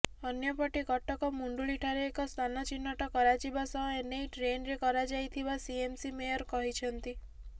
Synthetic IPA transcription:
ɔnjɔpɔʈikɔʈʰɔkɔmuɳɖuliʈʰaɾeːkɔst̪ʰanɔt͡ʃinːɔʈɔkɔɾad͡ʒibasɔɦenejʈɾenɾekɔɾad͡ʒajt̪ʰibasiemsimejɔɾkɔɦit͡ʃʰɔnt̪i

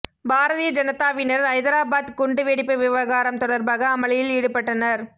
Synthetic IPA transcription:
bʱaːɾɐðijɐd͡ʒɐnɐt̪ːaːʋɪnɐɾɐɪðɐɾaːbaːd̪kʊɳɖɯʋeːɽɪpːɐʋɪʋɐɣaːɾɐmt̪ɔɽɐɾbaːɣɐːmɐɭɐjɪliːɽɯpːɐʈːɐnɐɾ

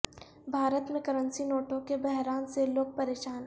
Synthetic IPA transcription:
bʱaːɾət̪mẽkɐɾə̃nsinoːʈõkebɛɦɾaːnseloːɡ̚pɐɾeːʃaːn

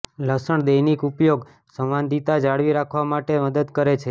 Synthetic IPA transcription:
ləsəɳd̪əjnikupjoɡ | sə̃ʋand̪ʱit̪ad͡ʒaɽʋiɾakʰʋamaʈeməd̪əd̪kəɾet͡ʃʰe

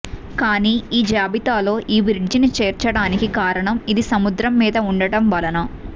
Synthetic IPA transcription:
kaːniːiːd͡ʒaːbit̪aːlo̞ːʔiːʋiɾiɖd͡ʒinit͡ʃeːɾt͡ʃɐɽaːnikikaːɾɐɳɐmid̪isɐmud̪ɾɐmːiːd̪ɐuɳɖɐɽɐmbɐlɐnɐ

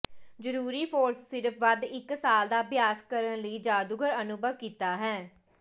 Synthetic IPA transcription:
zəɾuːɾiːpʰoːɾsːɪɾəpʰʋəd̪ɪksaːld̪aːbɪjaːskəɾənləiːd͡ʒaːd̪uɡʱəɾənʊbəʋkiːt̪aːɦɛː

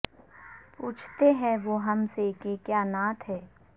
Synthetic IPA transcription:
puːt͡ʃʰt̪eɦɛ̃ʋoːɦɐmsekekjaːnaːt̪ʰɦɛː

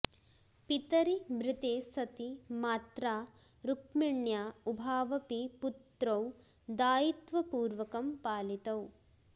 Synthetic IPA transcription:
pit̪ɐɾimɾit̪eːsɐt̪imaːt̪ɾaː | ɾukmiɳjaːubʱaːʋɐpiput̪ɾɐw | d̪aːjit̪ʋɐpuːɾʋɐkɐmpaːlit̪ɐw

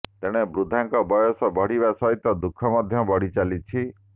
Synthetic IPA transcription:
t̪eɽ̃ebɾud̪ʱaŋkɔbɔjɔsɔbɔɽ̤iβasɔɦit̪ːɔd̪ukʰɔmɔd̪ʱjɔbɔɽ̤it͡ʃalit͡ʃʰi

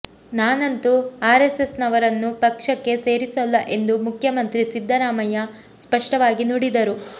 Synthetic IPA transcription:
naːnɐnt̪uaːɾesesnɐʋɐɾɐnːupɐkʂɐkːe̞se̞ːɾisɐlːɐʔe̞nd̪umukʰjɐmɐnt̪ɾisid̪ʱːɐɾaːmɐjɐ | spɐʂʈɐʋaːɡinuɽid̪ɐɾu

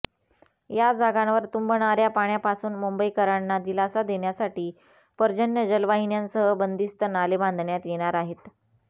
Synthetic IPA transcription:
jad͡zʱaɡãnʋəɾt̪umbʱəɳaɾjapaɳjapasuːnmumbəikəɾanːad̪ilasad̪eɳjasaʈiː | pəɾd͡ʑənjəd͡ʑəlʋaɦinjansəɦəbənd̪ist̪ənalebʱãnd̪ʱɳjat̪jeɽ̃aɾaɦet̪

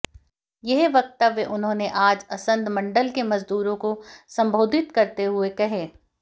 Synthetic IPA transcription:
jɛɦʋɐk̚t̪aʋeʔʊnɦõːneʔaːd͡ʒɐsə̃nd̪mɐ̃ɳɖəlkemɐzd̪uːɾõkosɐ̃mbʱoːd̪ʱɪt̪kɐɾt̪eɦʊekɐɦẽː

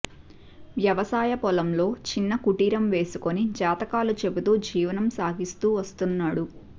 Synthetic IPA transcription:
ʋjɐʋɐsaːjɐpɔlɐmlo̞ːt͡ʃinːɐkuʈiːɾɐmʋe̞ːsuko̞nid͡ʒaːt̪ɐkaːlut͡ʃe̞but̪uːd͡ʒiːʋɐnɐmsaːɡist̪uːʋɐst̪unːaːɽu

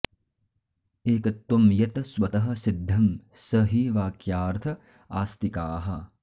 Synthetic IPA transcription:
eːkɐt̪ːumjɐt̪ɐswɐt̪ɐɦɐ̆sid̪ʱːɐmsɐɦiʋaːkjaːɾt̪ʰɐ | aːst̪ikaːɦɐ

